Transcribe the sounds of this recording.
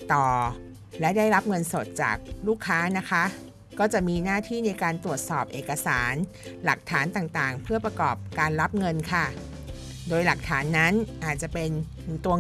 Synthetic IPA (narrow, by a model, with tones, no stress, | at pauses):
t̪ɔː˨˩ | lɛ˦˥daː˥˩jɾa˦˥p̚ŋɤ˧nso˨˩t̪̚t͡ɕa̰ː˨˩k̚luː˥˩kʰːaː˦˥na˦˥kʰa˦˥ | kːɔː˥˩t͡ɕa˨˩ʔmiː˧naː˥˩t̪ʰiː˥˩na˧jkaː˧nt̪ɾu˨˩ət̪̚sɔː˨˩p̚ʔeː˨˩kːa˧saː˩˦n | la˨˩k̚t̪ʰaː˩˦nt̪aː˨˩ŋt̪aː˨˩ŋpʰɯ˥˩ɐpɾa˧kɔː˨˩p̚kaː˧nɾa˦˥p̚ŋɤ˧nkʰa˥˩ | doː˧jla˨˩k̚t̪ʰaː˩˦nːa˦˥nʔaː˨˩t̪̚t͡ɕa˨˩pe˧n | t̪u˧ə